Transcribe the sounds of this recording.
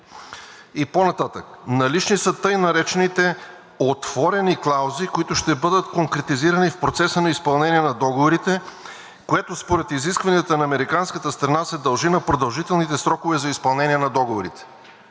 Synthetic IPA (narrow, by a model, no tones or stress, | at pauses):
iponɐt̪at̪əknɐlit͡ʃnisət̪ɤjnɐɾɛt͡ʃɛnit̪ɛ | ot̪v̥ɔɾɛniklˠawzikoit̪ʊʃt̪ɛbɤd̪ət̪koŋkɾɛt̪iziɾɐnifpɾot̪sɛsənɐispɐlˠnɛniɛnɐd̪ɔɡovoɾit̪ɛ | koɛt̪ospoɾɛt̪iziskvɐniət̪ənɐːmɛɾikanskət̪əst̪ɾɐnasɛd̪ɐlˠʒinɐpɾod̪ɐlˠʒit̪ɛlˠnit̪ɛsɾɔkovɛzɐispɐlˠnɛniɛnɐd̪ɔɡovoɾit̪ɛ̥